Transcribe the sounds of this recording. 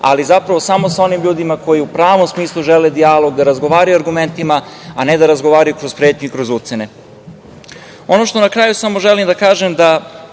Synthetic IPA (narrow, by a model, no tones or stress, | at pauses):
a̰lizapɾaʋosamo̞sao̞nimʎuːd̪imako̞jiupɾaːʋo̞msmiːslˠuʒeled̪ialo̞ɡd̪aɾazɡo̞ʋaːɾajuaɾɡume̞nt̪imaane̞d̪aɾazɡoʋaːɾajukɾo̞zpɾeːt̪ɲuikɾo̞zut̪sene̞ | o̞noʃt̪o̞nakɾaːjusamo̞ʒelimd̪akaːʒemd̪a